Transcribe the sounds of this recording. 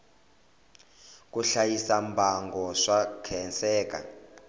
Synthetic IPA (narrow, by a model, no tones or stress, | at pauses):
k̬ʼuɬajisambʱaŋɡɔʂakʰɛnsɛːk̬ʼa̰